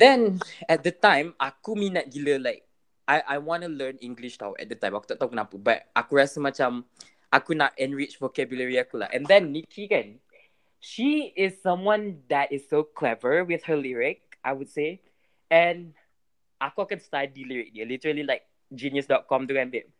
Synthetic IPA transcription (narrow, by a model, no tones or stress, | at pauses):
d̪ɛ̃nɛt̚d̪ətãɪ̃makuminɛt̚ɡiləlaɪk̚ | ʔajʔajwɔ̃nulənĩŋɡliʃta̰wɛ̰t̚d̪ətãɪ̃makutɔtɔ̃kunapubat̚ʔakuɹasimat͡ʃãm | ʔakunatɛ̃nɹit͡ʃfokɛbjuləɹiakula̰ʔɛ̰̃nd̪ɛ̃nːikʰikɛ̃n | ʃiɪsːãmwãnd̪ɛtɪssokʰlɛvəwɪθhəliɹɪk̚ʔaɪwʊd̥se | ɛ̃n | ʔakɔkɛ̃nstadiliɹɪk̚dilitəɹəlilaɪk̚ | d͡ʒĩnjəsdɔt̚kɔ̃mduɛ̃ndɪt̚